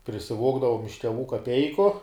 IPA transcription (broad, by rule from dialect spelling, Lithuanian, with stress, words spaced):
pʲrʲɪsʲɪˈʋoːɡdɐʋoːm ɪʃ tʲɛˈʋuː kɐˈpʲɛɪkʊ